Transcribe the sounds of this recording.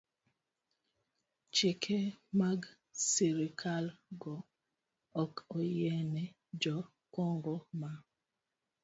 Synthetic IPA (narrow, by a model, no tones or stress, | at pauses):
t͡ʃekʰemaɡ | siɾikʰalɡɔ | ɔkɔjɛnɛ | d͡ʒɔ | kɔŋɡɔma